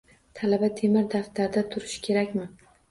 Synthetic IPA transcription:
t̪ʰalabat̪ʰe̞mɪɾd̪aft̪aɾd̪at̪ʰʊɾɪʃkʲʰe̞ɾakʲmɪ

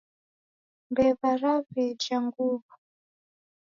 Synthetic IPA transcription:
mbɛβaɾaɸɛd͡ʒaŋɡuβu

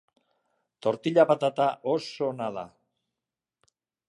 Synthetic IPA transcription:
t̪o̞ɾt̪iʎapat̪at̪aʔosonaða̰

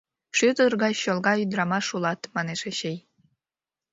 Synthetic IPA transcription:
ʃyt̪ərɣɑjɕolˠɣɑyd̪ɾɑmɑʃulɑt̪mɑneʃeɕej

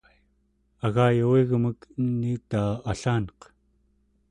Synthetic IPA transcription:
aɣaːjawiɣməkənːit̪aːaɬaːnq

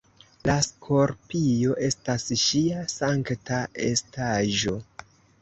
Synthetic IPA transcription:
laskʰo̞ɾpijo̞ʔe̞stasʃiasaŋktae̞̰staʒo̞

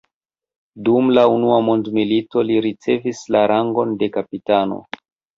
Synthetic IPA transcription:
dumlaunuamo̞ndmilito̞liɾit͡se̞vislaɾʔaŋɡo̞nde̞kapitano̰

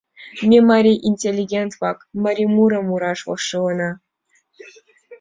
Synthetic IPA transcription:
mʲemaɾʲiʔinʲtʲelʲːiɡʲent̪pɑkmaɾʲimuɾɤ̆muɾɑʂwɤ̰ʂɨwɤ̆nɑ

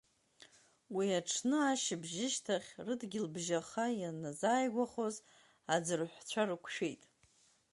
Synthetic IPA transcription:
wiaʈ͡ʂʰnɨaʃɪbʒɪʃtʰaχʲrɨdɡʲɪlbʒaχajanazaːjɡʷaχoz | ad͡zɨrħʷt͡ɕʷʰarɨkʷʰʃᶣejtʼ

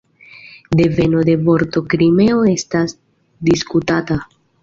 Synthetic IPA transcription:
d̪e̞ve̞nod̪e̞vo̞ɾto̞kɾime̞oe̞stas | d̪iskutata

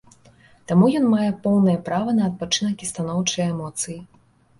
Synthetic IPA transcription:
t̪amujɔnmajɛpɔwnɐjɛpɾavɐnɐːt̪̚pat͡ʂɨnɐkʲist̪anɔwt͡ʂɨjɛmɔt̪sɨji

